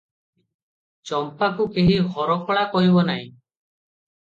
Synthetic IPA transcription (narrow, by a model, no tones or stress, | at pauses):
t͡ʃɔmpakukeɦiɦɔɾɔkʰɔɭakɔɦibɔnaɦḭ̃